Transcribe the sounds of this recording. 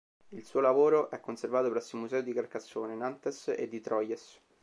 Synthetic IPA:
ilsuːolavoːɾoʔɛkːonservaːt̪opɾɛsːomuzɛːod̪ikarkasːoːnenant̪esḛd̪ːit̪ɾɔjes

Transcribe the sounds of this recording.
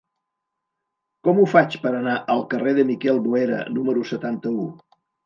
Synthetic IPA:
kɔmufat͡ʃpəɾənaʔəlˠkəreðəmikɛlˠβueɾə̰numəɾusət̪ant̪əu

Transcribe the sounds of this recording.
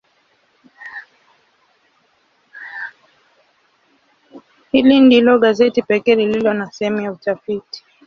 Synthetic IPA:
hilindilɔɠazɛtipɛkɛːlililɔnasɛhɛmujautafiti̥

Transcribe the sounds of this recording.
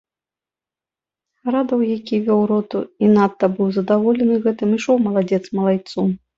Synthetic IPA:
ɾad̪ɐwjakʲivʲɔwɾɔt̪uinat̪ːɐbɨwzɐd̪avɔlʲɛnɨɣɛt̪ɨmiʂɔwmɐlˠad͡zʲɛt̪smɐlˠajt̪su

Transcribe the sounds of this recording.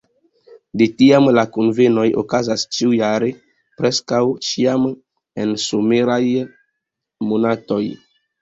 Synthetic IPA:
detiamlakonve̞no̞jo̰kazast͡ʃiujaɾe̞ | pɾe̞skawt͡ʃiam | e̞nsomeɾaj | monato̞j

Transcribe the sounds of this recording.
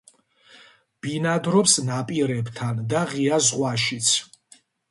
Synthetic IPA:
b̥inad̪ɾɔpsnapʼiɾɛbt̪ʰand̪aʁiazʁwaʃit̪sʰ

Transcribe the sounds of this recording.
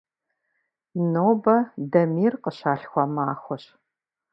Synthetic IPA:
noːbɐdɐmiːrqəɕaːɬxʷɔmaːxʷɔɕ

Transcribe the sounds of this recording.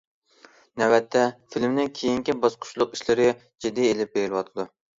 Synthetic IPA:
næwæt̪ʰːɛfilmnɪŋkʲʰejiŋkʲibɑsqʰʊ̥ʃlˠʊqiʃlɪɾɪ | d͡ʒid̪ːɪelɪp̚beɾɪlɪwɑt̪ʰɨd̪u

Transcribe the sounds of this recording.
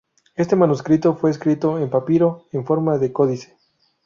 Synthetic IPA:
e̞st̪e̞manuskɾit̪ofwe̞ːs̬kɾit̪o̞empapiɾo̞eɱfo̞ɾmaðe̞ko̞ðise̥

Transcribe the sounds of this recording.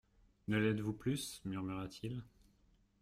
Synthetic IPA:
nəlɛd̪vuplysmyʁmyʁat̪ʰil

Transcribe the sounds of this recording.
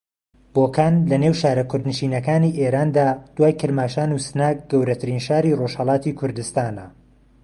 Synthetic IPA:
b̥oːkʰaːnlɐnewʃaːɾɐkʰʊɾd̪nɨʃiːnɐkaːniːʔeːɾaːnd̪aːd̪̥waːjkʰɨɾmaːʃaːnuːsɨnaːk̚ɡɐwɾɐt̪ʰɨɾiːnʃaːɾiːroʃhɐlˠɑːt̪ikʰʊɾd̪ɨst̪aːnɐ

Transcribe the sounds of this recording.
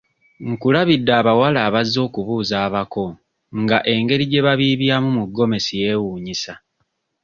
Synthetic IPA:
ŋ̩kulaβidːaːβawalaːβazːo̞ːkuβuːzaːβako̞ | ŋɡaʔe̞ŋɡe̞ɾiɟe̞βaβiːβjaːmumuɡːo̞me̞sije̞ːwuːɲisa

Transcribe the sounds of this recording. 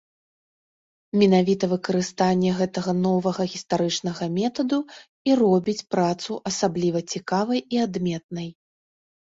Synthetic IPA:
mʲɛnavʲit̪ɐvɨkɐɾɨst̪anʲːɛɣɛt̪ɐɣɐnɔvɐɣɐɣʲist̪aɾɨt͡ʂnɐɣɐmʲɛt̪ɐd̪u | irɔbʲit͡sʲpɾat̪suʔɐsablʲivɐt͡sʲikavɐjiad̪mʲɛt̪̚nɐj

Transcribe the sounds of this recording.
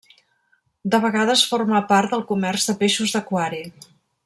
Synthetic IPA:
d̪əβ̞əɣaðəsforməpaɾt̪̚d̪əlˠkumɛrzðəpeʃuzðəkwaɾi

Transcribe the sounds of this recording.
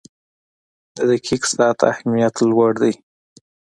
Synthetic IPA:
d̪əd̪əkʰiksɑt̪a̰hmijat̪lwaɽd̪əj

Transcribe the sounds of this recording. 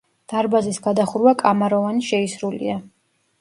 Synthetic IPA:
d̪̥aɾbazisɡad̪aχuɾvakʼamaɾɔvaniʃɛisɾulḭa

